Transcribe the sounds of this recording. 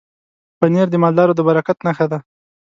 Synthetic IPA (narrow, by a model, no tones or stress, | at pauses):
pəneɾd̪əmɑld̪ɑɾod̪əbaɾakat̪naxad̪a